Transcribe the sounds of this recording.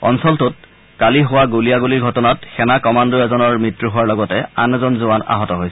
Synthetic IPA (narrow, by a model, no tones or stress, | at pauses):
ɔ̰nsɔltʊt̚ | kaliɦʊwaɡulijaɡuliɹɡʱɔtɔnat̚xɛnakɔmandɔɛzɔnɔɹmɹitɹuɦʊwaɹlɔɡɔtɛa̰nɛzɔnzʊana̰ɦɔtɔɦojsɛ